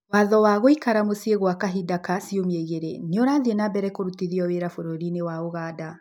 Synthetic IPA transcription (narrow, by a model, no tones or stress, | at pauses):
waðɔwaɣoikaɾamosieɣwakaɦidakasiomieɣeɾeniɔɾaðienabɛɾɛkoɾutiðiɔweɾafoɾoɾinewaoɣaːda